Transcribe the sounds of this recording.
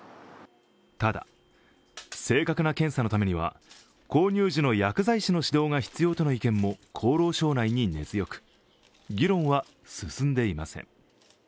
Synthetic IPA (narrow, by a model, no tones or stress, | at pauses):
t̪ad̪a̰ | se̞ːkakɯ̟nakẽ̞ɰ̃sano̞t̪ame̞ɲiβ̞a̰ | ko̞ːɲʲɨːʑino̞jakɯ̟zaiɕino̞ɕid̪o̞ːŋaçi̥t͡sɨjo̞ːt̪o̞no̞ikẽ̞mːo̞kʰo̞ːɾo̞ːɕo̞ːnaiɲ̟ine̞zɨjo̞kɯ̟̥ | ɡʲiɾõ̞ɰ̃βa | sɨsɨ̃nd̪e̞imasḛ̃ŋ